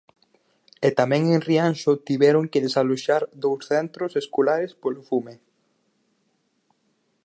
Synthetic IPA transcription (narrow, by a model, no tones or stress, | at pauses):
et̪amɛ̃ŋeŋrianʃot̪iβɛɾoŋkɪðesaloʃaɾd̪owsθɛnt̪ɾoseskolaɾespolofume